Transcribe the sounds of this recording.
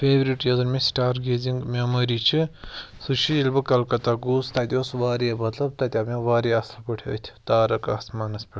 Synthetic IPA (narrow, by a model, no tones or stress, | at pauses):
pʰeːʋɾiʈjɐzɐɾmẽsʈaːɾɡeːziŋɡmʲemɐɾiːt͡ʃʰi | sut͡ʃʰijilbɨkɐlkɐt̪aɡust̪at̪ʲosʋaːɾemɐt̪lɐb̚t̪ɐt̪ʲameʋaːɾiɐslpɐʈʰeɐ̰t̪ʲʰi̥t̪aːɾɐkɐsmaːnɐspʲi